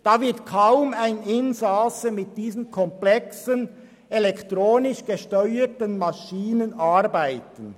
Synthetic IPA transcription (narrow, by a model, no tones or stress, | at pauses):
d̥aːvɪɐtkʰaʊmaɪnɪnzasəmɪt̚d̥iːzənkʰɔmplɛksən | elɛktʁoːnɪʃɡ̥əʃtœʏətənmɑʃiːnənʔaɾbaɪtən̩